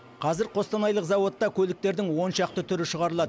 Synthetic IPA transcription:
qʰɑzɪɾqʰo̞st̪ɑnɑjlˠəqzɑwo̞t̪ːɑkʲʰɵlɪk̚t̪e̞ɾd̪ɪŋwo̞nʃɑq̚t̪ət̪ʰʏɾɪʃəʁɑɾəlˠɑd̪ə

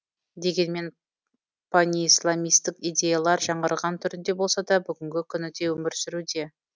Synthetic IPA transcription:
d̪e̞ɡʲe̞nme̞n | pʰanʲiislˠamijst̪ɪkijd̪ʲe̞jalˠɑɾʒɑɴʁəɾʁɑnt̪ʰʏɾɪnd̪e̞bo̞lˠsɑd̪ɑbʏɡʲɪŋɡʲɪkʲʰʏnɪd̪e̞wɵmɪɾsɪɾud̪e̞

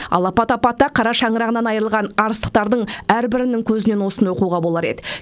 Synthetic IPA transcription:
ɑ̰lˠɑpɑt̪ɑpɑt̪ːɑqʰɑɾɑʃɑɴəɾɑʁənɑnɑjəɾəlˠʁɑnɑɾəst̪ə̥q̚t̪ɑɾd̪əɴæɾbɪɾɪnɪŋkʲʰɵzɪnenwo̞sənwo̞quʁɑbo̞lˠɑɾe̞̰d̪ɪ

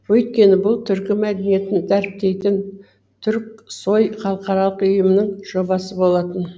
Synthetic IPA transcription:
wɵjt̪̚kʲe̞nɪbʊlˠt̪ʰʏɾkʲɪmæd̪e̞nije̞t̪ɪnd̪æɾp̚t̪e̞jt̪ɪn | t̪ʰʏɾk̚so̞jχɑlˠəqɑɾɑlˠəqʊʏjəmɪnɪŋʒ̥o̞bɑsəbo̞lˠɑt̪ən

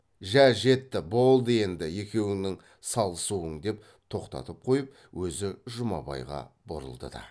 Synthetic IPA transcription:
ʒæʒe̞t̪ːɪbo̞lˠd̪əe̞nd̪ɪje̞kʲe̞wɪŋnɪŋ | sɑlˠəsuəɴd̪e̞p̚ | t̪ʰo̞qt̪ɑ̰t̪əp̚qʰo̞jəp̚ | wʔɵzɪʒʊmɑ̰bɑ̰jʁɑ̰boɾə̰lˠd̪ə̰d̪ɑ̰

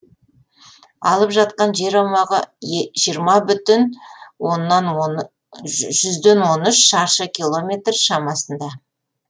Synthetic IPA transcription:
ɑ̰lˠəpʒɑt̪̚qɑnʒe̞ɾɑwmɑʁəʒijəɾmɑbʏt̪ɪnwo̞nːɑn | ʒʏzd̪e̞nwo̞nʏʃʃɑɾʃəkʲilˠo̞mʲe̞t̪rʃɑmɑsənd̪ɑ

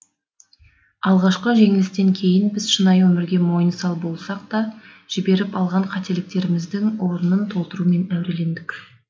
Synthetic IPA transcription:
ɑlˠʁɑʃqəʒe̞ŋɪlɪst̪e̞ŋkʲʰe̞jɪnbɪzʃənɑjwɵmɪɾɡʲe̞mo̞jənsɑlˠbo̞lˠsɑq̚t̪ɑʒ̥ɪbe̞ɾɪpɑlˠʁɑɴqʰɑt̪e̞lɪk̚t̪e̞ɾɪmɪzd̪ɪŋwo̞ɾənənt̪ʰo̞lˠt̪əɾume̞næwɾe̞le̞nd̪ɪkʲ

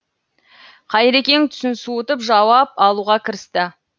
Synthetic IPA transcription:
qʰɑjɾekʲe̞ŋt̪ʰʏ̥sɪnsuʊt̪əpʒɑwɑp̚ɑlˠuʁɑkʲʰɪɾɪst̪ɪ

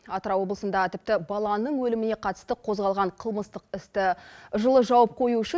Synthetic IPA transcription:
ɑt̪əɾɑwo̞blˠəsənd̪ɑʁət̪ʰɪp̚t̪ɪbɑlˠɑnəɴwɵlɪmɪne̞qʰɑt̪ə̥st̪əqʰo̞zʁɑlˠʁɑɴqʰəlˠməst̪əqɪst̪ɪʒəlˠəʒɑwɑp̚qʰo̞juʏʃɪ

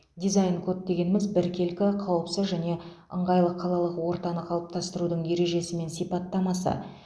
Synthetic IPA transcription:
d̪ʲijzajnkʰɵt̪̚d̪e̞ɡʲe̞nɪmɪzbɪɾkʲʰe̞lkʲɪqʰɑwəpsəzʒæne̞ | ə̰ɴʁɑjlˠəqʰːɑlˠɑlˠəqwo̞ɾt̪ɑnəqʰɑlˠəp̚t̪ɑst̪əɾud̪əɴje̞ɾe̞ʒe̞sɪme̞nsijpɑt̪ːɑmɑsə̰

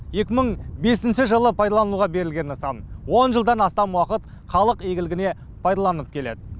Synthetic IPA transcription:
je̞kʲɪməɴbe̞sɪnʃɪʒəlˠəpʰɑjd̪ɑlˠɑnuʁɑbe̞ɾɪlɡʲe̞nəsɑ̰nwo̞nʒəlˠd̪ɑnɑst̪ɑmwɑqət̪ | χɑlˠəqe̞ɡʲɪlɪɡʲɪne̞ | pʰɑjd̪ɑlˠɑnəp̚kʲʰe̞le̞d̪ɪ

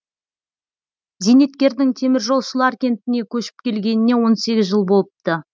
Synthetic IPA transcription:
zenet̪kʲe̞ɾd̪ɪŋt̪ʰe̞mɪɾʒo̞lˠʃəlˠɑɾkʲe̞nt̪ɪne̞kʲʰɵʃɪ̥pkʲe̞lɡʲe̞nɪne̞wo̞nse̞ɡʲɪzʒəlˠbo̞lˠəp̚t̪ə

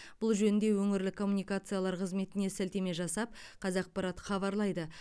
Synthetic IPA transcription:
b̥ʊlˠʒɵnɪnd̪e̞wɵŋɪɾlɪkʰo̞mːunijkat̪sɨjalˠɑɾqʰəzme̞t̪ɪne̞sælt̪e̞me̞ʒɑsɑp̚ | qʰɑzɑq̚pɑɾat̪χɑβɑɾlˠɑjd̪ə

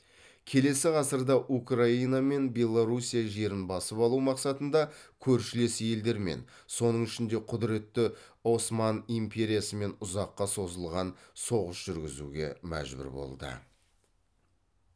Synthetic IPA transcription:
kʲʰe̞le̞sɪʁɑsəɾd̪ɑʔukrainɑme̞nbʲe̞lˠːoɾusijaʒe̞ɾɪnbɑsəpɑlˠumɑqsɑt̪ənd̪ɑkʲʰɵɾʃɪle̞sje̞ld̪e̞ɾme̞̰n | so̞nəɴʏʃɪnd̪e̞qʰʊd̪ɪɾe̞t̪ːɪ | o̞smɑnimpʰʲe̞ɾʲijasəme̞nʊzɑqːɑso̞zəlˠʁɑnso̞ʁəsʒ̥ʏɾɡʲɪzṵɡʲe̞̰mæ̰ʒbʏ̰ɾbo̞̰lˠd̪ə̰

